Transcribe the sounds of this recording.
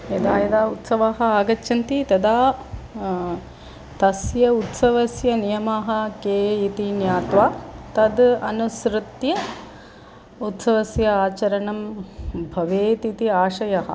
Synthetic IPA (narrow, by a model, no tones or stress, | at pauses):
ɐd̪aːjɐd̪aːut̪sɐʋaːɦɐ̆aːɡɐt͡ʃːʃɐnt̪it̪ɐd̪aː | t̪ɐsjɐut̪sɐʋɐsjɐnijɐmaːɦɐ̆keːit̪injaːt̪ʋaːt̪ɐd̪ɐnusɾɨt̪jɐ | ut̪sɐʋɐsjɐaːt͡ʃɐɾɐnɐmbʱɐʋeːt̪it̪iaːʃɐjɐɦɐ̰̆